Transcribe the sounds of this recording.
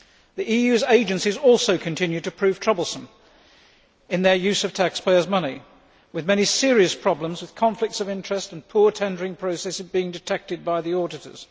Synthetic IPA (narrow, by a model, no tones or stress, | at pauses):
ðiʔijʉzeɪd͡ʒɨ̃nsizɔlˠsoʊkʰɨ̃ntʰɪ̃njʉd̚tʰɨpʰɹ̥ʉv̥tʰɹ̥ʌbl̩ˠsə̃m | ɨ̃nðə˞jʉsʌv̥tʰækspʰeɪə˞zmʌni | wɨðmɛñisɪɹiɨspʰɹ̥ɑblə̃mzwɨð̥kʰɑ̃ɱflɨk̚tsʌvɪ̃nt͡ʃɹ̥ɨstn̩pʰʊɹtʰɛ̃ndə˞ɪ̃ŋpʰɹ̥oʊsɛsɨvbiɪ̃ŋdɨtʰɛk̚tɨd̚baɪðiɔɹɾɨɾə̰˞z̥